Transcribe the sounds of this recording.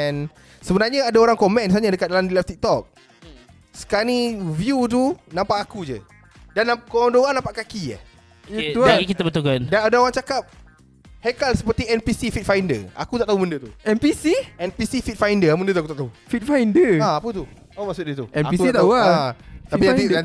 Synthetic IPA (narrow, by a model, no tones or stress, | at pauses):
ɛn | səbənarɲaadaoɾaŋkomɛnds̬aɲadəkat̪̚dalamdilɛft̪ik̚t̪ɔk̚ | sə̥kanivjut̪̬unãmpaʔakud͡ʒə | danakomndaoɣaŋnãmpaʔkakia̰h | uaɡikit̪abət̪ulkandanadaoɾaŋt͡ʃakap̚ | hɛkalsə̥pərt̪iɛnpisifit̪̚fajndə̰a̰kut̪aʔt̪aɦumundət̪uɛmpisiɛnpisifit̪̚fajndəmũndət̪uakut̪aʔt̪aɦufit̪̚fajndəaapət̪u | omaksut̪̚ɲət̪ṵɛmpisat̪auaat̪apijaa